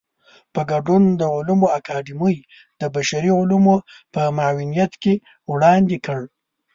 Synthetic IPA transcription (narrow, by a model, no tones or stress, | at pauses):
pəɡaɖund̪əʊlumoakʰɑd̪iməj | d̪̥əbaʃaɾiʊlumopəmaawɪnijat̪ke | wɽɑnd̪ekəɽ